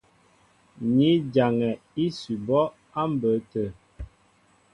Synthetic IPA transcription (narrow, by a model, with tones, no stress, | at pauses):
ɲi˨˦d͡ʒa˨ŋɛ˨ | i˦si˨bɔ˦ | a˦m˦bə˨˦tə˨